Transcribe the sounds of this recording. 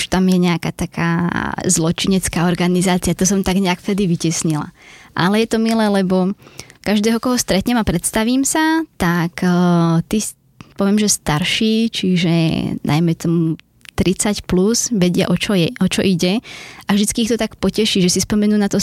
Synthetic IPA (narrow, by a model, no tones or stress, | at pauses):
uʃt̪amjɛɲɛakaːt̪akʰa̰ːzlɔt͡ʃiɲɛt͡skaːɔɾɡanizaːt͡siat̪ɔsɔmt̪aɡɲɛakft̪ɛd̪iʋicɛsɲila̰ʔa̰lɛjɛt̪ɔmilɛːlɛbɔkaʒd̪ɛːɦɔkɔɦɔst̪ɾɛt̪ɲɛmapɾɛt̪st̪aʋiːmsat̪akt̪i | pɔʋɪɛmʒɛst̪aɾʃiːt͡ʃiʒɛ̰nʔa̰jmɛt̪ɔmu | t̪ɾit͡sacpluzʋɛɟɪa̰ʔɔt͡ʃɔjɛʔɔt͡ʃɔʔiɟɛavʒd̪it͡skiːxt̪ɔt̪akpɔcɛʃiːʒɛsispɔmɛnuːnat̪ɔ